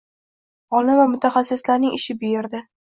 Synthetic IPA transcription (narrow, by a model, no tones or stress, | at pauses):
ɒlɪvamʊt̪ʰaχasːɪslaɾnɪŋʔɪʃɪbɪjeɾd̪ɪ